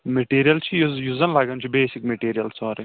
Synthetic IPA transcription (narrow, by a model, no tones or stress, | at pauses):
meʈiːɾijɐlt͡ʃʰijjuːzɐnlaːɡɐnt͡ʃʰibeːsikmeʈiːɾijɐlsɔːɾi